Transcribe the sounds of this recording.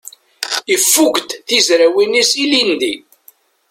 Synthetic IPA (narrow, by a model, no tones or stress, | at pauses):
ifːukʷt̪θizɾæwinisilind̪i